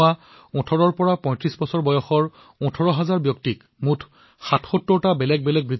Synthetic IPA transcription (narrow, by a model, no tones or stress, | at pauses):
a | ɔ̃tʰɔɹɔɹpɔɹapɔ̃j̃tɹisbɔsɔɹbɔjɔxɔɹ | ɔ̃tʰɔɹɔɦazaɹbjɔktik | mutʰ | xatʰxɔtːɔɹtabɛlɛɡ̚bɛlɛɡ̚bɹit̪